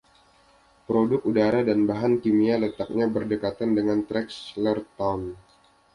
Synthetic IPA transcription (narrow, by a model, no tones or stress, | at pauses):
pɾodʊkudaɾadanbaɦankimialət̪ak̚ɲabərdəkat̪andəŋant̪ɾɛkslərt̪awn